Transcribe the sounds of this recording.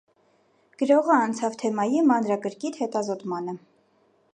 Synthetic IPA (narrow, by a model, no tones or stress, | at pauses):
ɡ̥əɾɔʁəɑnt͡sʰɑvt̪ʰɛmɑjimɑnɾɑkəɾkit̪hɛt̪ɑzɔt̪mɑnə